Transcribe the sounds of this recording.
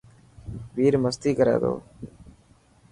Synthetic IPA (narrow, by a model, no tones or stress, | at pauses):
ʋiːɾməst̪iːkəɾḛːd̪o̰ː